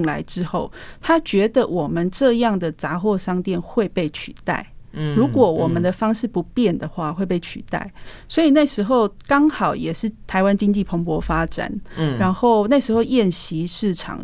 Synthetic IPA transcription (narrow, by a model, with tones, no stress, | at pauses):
ŋla˧˦ɪʈ͡ʂɻ̩˦˥xo˥˩ʊt̪ʰa˦˥t͡ɕɥɛ˧˥d̪ə˨wɔ˨˩mə˨nʈ͡ʂɤ˥˧jɑ˥˩ŋd̪ə˨t͡sa˧˥xwɔ˥˧ʂɑ˥ŋt̪jɛ˥˨nxwe˥˧ɪpe˥˩ɪt͡ɕʰy̰˨˩t̪a̰˥˩ɪɻu˨˥kwɔ˨˩wɔ˨˩mə˦nd̪ə˨fɑ˥ŋʂɻ̩˥˩pu˧˦pjɛ˥˨˩nd̪ə˩xwa˥˨xwe˥˧ɪpe˥˩ɪt͡ɕʰy̰˨˩t̪a̰˥˩ɪswɔ˧˥i˨˩na˥˩ɪʂɻ̩˧˥xo˥˩ʊkɑ˥ŋxɑ˨˩ʊjɛ˨˩ʂɻ̩˥˩t̪ʰa˧˥ɪwa˦nt͡ɕi˥ŋt͡ɕi˥˩pʰo˧˥ŋpwɔ˧˥fa˥ʈ͡ʂa̰˨˩˦nɻa˧˥nxo˥˩ʊna˥˩ɪʂɻ̩˧˥xo˥˧ʊjɛ˥˨˩nɕi˧˥˦ʂɻ̩˥˩ʈ͡ʂʰɑ̰˨˩ŋ